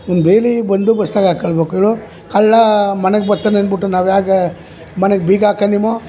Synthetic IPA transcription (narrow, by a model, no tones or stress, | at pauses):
ond̪beːlibɐnd̪ubɐst̪aːɡaːkːɐɭbeːkueɭu | kɐɭːɐmɐnɛɡbɐɾt̪ːanɐnbiʈːunaːʋjaːɡe | mɐneɡ̚biːɡaːkɐnimo